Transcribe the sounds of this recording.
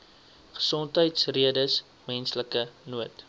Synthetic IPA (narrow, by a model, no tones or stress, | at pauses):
χə̥sɔntɦəjtsriədəs | mɛnsləkənuət